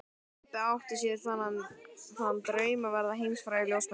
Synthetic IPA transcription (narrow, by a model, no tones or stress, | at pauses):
t̪aawht̪ɪ̥sjɛθanːanθannːt̪ɾœːɥmavɛɾðaɦejmsfɾaːjɪljows